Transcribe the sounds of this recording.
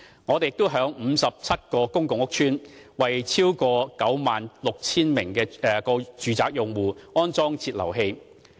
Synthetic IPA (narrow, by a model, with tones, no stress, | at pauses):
ŋɔ˨˧t̪e˨jɪ˨k̚t̪o˥wɦœː˨˥ŋm̩ː˨˧sɐ˨p̚t͡sʰɐ˥t̚kɔː˧kʊ˥ŋkʊ˨ŋʊ˥k̚t͡ʃʰyː˥nwɐ˨jt͡sʰiː˥wkɔː˧kɐ˨˥wmaː˨nlʊ˨k̚t͡sʰiː˥nmɪ˨˩ŋkɛː˧˨kɔː˧t͡ʃyː˨t͡saː˧k̚jʊ˨ŋwuː˨ŋɔː˥nt͡sɔː˥ŋt͡sʰiː˧t̚lɐ̰˨˩wɦe˧j